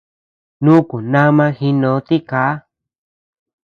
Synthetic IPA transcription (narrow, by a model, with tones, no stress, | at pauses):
nũ˦ku˨nã˦mã˧xi˧nõ˧˨˦t̪i˦ka˨˦